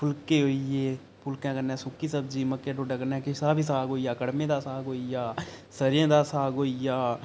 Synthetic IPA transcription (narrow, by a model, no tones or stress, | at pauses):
pʰʊlkeːɦoijeː | pʰʊlkɛ̃ːkənɛ̃ːsʊkːiːsəb̚d͡ʒiːməkːẽːɖoːɖãːkənɛ̃ːkɪʃaːbiːsaːɡoːijaːkəɽmẽːd̪aːsaːɡoːijaːsəɾjẽːd̪aːsaːɡoːijaː